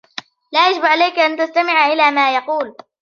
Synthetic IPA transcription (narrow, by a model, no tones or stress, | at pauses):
laːjad͡ʒɪbʕalajkaʔant̪ast̪amɪʕʔɪlaːmaːjɑquːl